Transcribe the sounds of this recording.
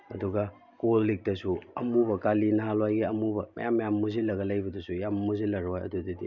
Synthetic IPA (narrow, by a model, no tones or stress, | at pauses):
ɐduɡɐ | kolːik̚tɐsuɐmubɐkalinɐɦalwajɡiɐmubɐmɐ̰jamːɐjammuzilɐɡɐlɐjbɐdɐsujammuzilɐɾojɐ̰dudidḭ